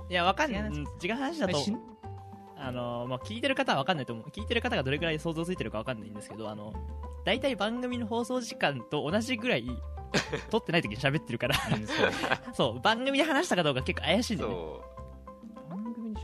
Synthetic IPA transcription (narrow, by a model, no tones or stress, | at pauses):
jaβakannːɯ̟̃t͡ɕikãɦhanaɕid̪at̪o | ano̞makʲiːt̪e̞ɾɯ̟kat̪aβaβ̞akanːait̪omokʲiːt̪e̞ɾɯ̟kat̪aɡad̪o̞ɾe̞ɡɯ̟ɾaiso̞ːzoːt͡ssɨit̪e̞ɾɯ̟kaβakanːaĩnd̪esɨ̥ke̞d̪o̞a̰no̞̰d̪̥ait̪aibãŋɡɯ̟mʲino̞ɦo̞ːso̞ːʑikãnt̪o̞ːnaʑiɡɯ̟ɾai | t̪o̞t̪ːenait̪okʲiɲiɕabe̞t̪ːe̞ɾɯ̟kaɾa | so̞ːbãŋɡɯmʲid̪e̞ɦanaɕi̥t̪akad̪o̞ːkake̞kːoajaɕĩnd̪ | ɡɯmʲi